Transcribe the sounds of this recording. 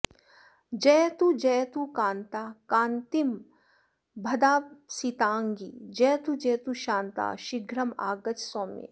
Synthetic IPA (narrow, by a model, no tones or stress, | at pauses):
d͡ʒɐjt̪ud͡ʒɐjt̪ukaːnt̪aːkãːnt̪im | bʱɐd̪aːsit̪aːŋɡid͡ʒɛːt̪ud͡ʒɛːt̪uʃãːnt̪a̰ːʃiɡɾɐma̰ːɡɐt͡ʃsoːmḛː